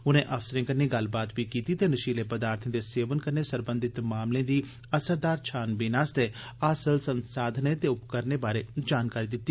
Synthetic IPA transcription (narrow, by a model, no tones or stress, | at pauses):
ʊnẽːʔəfsəɾẽːkəɾnẽːɡəlbaːt̪biːkiːt̪iːt̪eːnəʃiːleːpəd̪aːɾt̪ʰẽːd̪eːseːʋənkəɾneːsəɾbə̃nd̪ʱɪt̪maːmlẽːd̪iː | əsəɾd̪aːɾt͡ʃʰaːnbinaːst̪eː | aːsəlsənsaːd̪ʱneːt̪eːʊpkəɾneːbaːɾeːd͡ʒaːnkaːɾiːd̪ɪt̪ːiː